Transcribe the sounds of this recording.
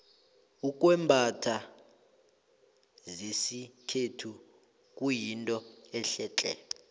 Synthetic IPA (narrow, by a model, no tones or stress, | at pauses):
uk̬ʼwɛmbʱatʰa | zesikʰetʰu | k̬ʼujintʼɔɛɬɛːt͡ɬʼɛ̰